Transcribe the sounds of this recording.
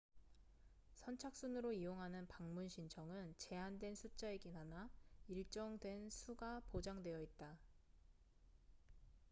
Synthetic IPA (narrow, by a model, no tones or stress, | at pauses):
sʰʌnt͡ɕʰak̚s͈unɯɾoijoŋɦanɯnpaŋmunɕʰint͡ɕʰʌŋɯnt͡ɕe̞andwe̞nsʰut͡ɕ͈aeɡinɦanaiɭt͡ɕ͈ʌŋdwe̞nsʰuɡapod͡ʑaŋdwe̞jʌit̚t͈a